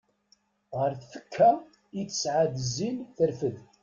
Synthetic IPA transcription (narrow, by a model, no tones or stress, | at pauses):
ʁəɾθθə̥kʰːæ | it͡sːə̥sʕad̪əzinθəɾfəð